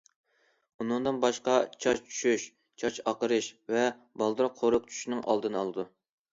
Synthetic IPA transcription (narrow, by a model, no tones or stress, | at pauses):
unɨŋd̪ɨnbɑʃqɑt͡ʃʰɑʃt͡ʃʰy̥ʃyʃ | t͡ʃʰɑt͡ʃɑqəɾɨʃvɛ | bɑlˠd̪ɨɾqʰoɾʊqt͡ʃʰy̥ʃnɪŋʔɑ̰lˠd̪ɨnɨɑ̰lˠɨd̪u